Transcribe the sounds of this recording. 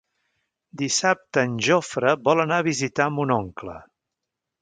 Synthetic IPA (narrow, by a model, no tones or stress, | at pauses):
d̪isap̚t̪əːnʲʒɔfɾəβɔlˠənaβizit̪aəmbunɔŋklə̰